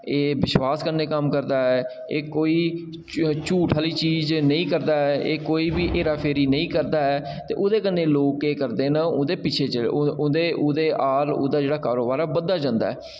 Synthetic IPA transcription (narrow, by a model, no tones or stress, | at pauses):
eːbɪʃwaːskəɾneːkəmkəɾd̪aːɛː | eːkoːiː | t͡ʃuːʈʰaːliːt͡ʃiːznəĩːkəɾd̪aːɛːʔeːkoːiːbiːʔeːɾaːpʰeːɾiːnəĩːkəɾd̪aːɛː | t̪eːʔʊd̪eːkənːeːloːkeːkəɾd̪eːnãːʊd̪eːpɪt͡ʃʰeːt͡ʃəlʊd̪eːʊd̪eːʔaːlo̰ːd̪aːd͡ʒeːɽaːkaːɾoːbaːɾɛːbəd̪ːaːd͡ʒãːnd̪a̰ːɛ̰ː